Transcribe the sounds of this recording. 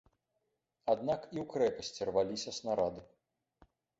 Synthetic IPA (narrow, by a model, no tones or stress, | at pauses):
ad̪nakiwkɾɛpɐsʲt͡sʲirvalʲisʲɐsnaɾad̪ɨ